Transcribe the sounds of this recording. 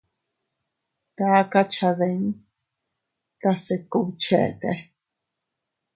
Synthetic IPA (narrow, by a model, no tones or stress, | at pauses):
t̪akat͡ʃʰaðen | t̪asekut͡ʃʰḛʔt̪e